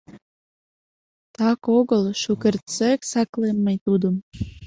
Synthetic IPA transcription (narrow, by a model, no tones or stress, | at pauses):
t̪ɑkoɣəlˠʃukert̪t͡seksæklemːejt̪ud̪əm